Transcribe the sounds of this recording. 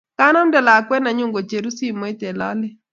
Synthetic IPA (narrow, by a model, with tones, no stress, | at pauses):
ka˦nɔ˦m˦dɛ˨la˨kwɛ˦na˨ɲʊ˦˨ŋɡo˨t͡ʃe˨ɾu˦si˦mwɛ˦t̪ɛ˨la̰˦lɛ˦